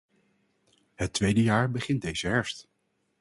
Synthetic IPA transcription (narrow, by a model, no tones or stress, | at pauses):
ɦətʋejdəjaːɹbəχɪndejz̥əɦɛɹst